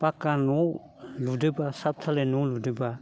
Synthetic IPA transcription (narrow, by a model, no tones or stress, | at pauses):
pakːano | ludɯbasap̚tʰalenoludɯba